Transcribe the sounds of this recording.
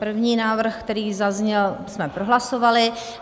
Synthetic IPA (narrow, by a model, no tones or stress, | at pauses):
r̩vɲiːnaːvr̩xkt̪ɛɾiːzazɲɛlsmɛpɾoɦlasovalɪ